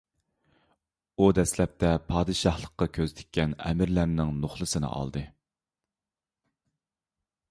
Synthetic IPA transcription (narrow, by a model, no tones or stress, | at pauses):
ud̪ɛslɛp̚t̪ʰɛpʰɑːd̪ɨʃɑhlˠəqːɑkʲʰøzt̪ʰɪ̥kʲʰːɛnɛ̰mɪɾlæɾnɪŋnoχlˠɨsɨnɨ̰ʔɑ̰lˠd̪ɨ